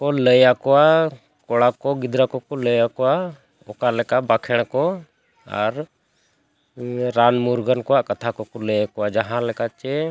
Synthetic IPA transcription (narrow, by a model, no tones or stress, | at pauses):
kɔləjakɔwa | kɔɽakɔɡid̪ɾakɔkɔləjakɔwa | ɔkalɛkaʔbakʰɛɽ̃kɔ | a̰ɾ | ɾanmuɾɡankɔwaʔkat̪ʰakɔkɔləjakɔwad͡ʒaɦãlɛkat͡ʃɛ